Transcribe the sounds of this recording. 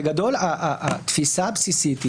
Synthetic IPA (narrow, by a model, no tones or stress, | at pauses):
ɡad̪o̞laʔaat̪fisabsisit̪i